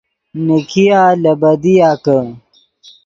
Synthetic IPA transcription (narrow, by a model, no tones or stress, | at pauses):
nikʰijaːlɐbɐd̪ijaːkə